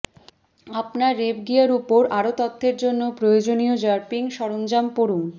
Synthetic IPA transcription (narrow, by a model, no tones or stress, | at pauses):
apnaɾːebɡijaɾupoɾaɾot̪ɔt̪ʰːeɾd͡ʑonːopɾojod͡ʑonijod͡ʑaɾpiŋʃɔɾond͡ʑampoɾuŋ